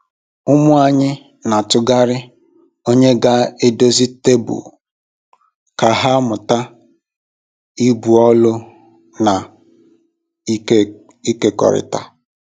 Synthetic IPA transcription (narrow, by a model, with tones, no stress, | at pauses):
ʊ˦mʊ˦a˨ɲɪ˦ | na˨tʊ˦ɡa˦ɾɪ˦ | o˦ɲe˦ɡa˦e˦do˦zi˦te˦bʊ̰˨ | ka˨ɦa˦mʊ˨ta˦ | i˦bu˨ɔ˦lʊ˦ | na˨˦ | i˦ke˦kɔ̰˨ɾɪ̰˨ta˦